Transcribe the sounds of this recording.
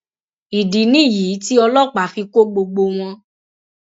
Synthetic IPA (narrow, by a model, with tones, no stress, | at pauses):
i˨di˨˦nĩ˦˨ji˨˦ti˦ɔ˧lɔ˦˨k͡pa˨˦fi˧ko˦ɡ͡bo˧ɡ͡bo˧w̃ɔ̃˧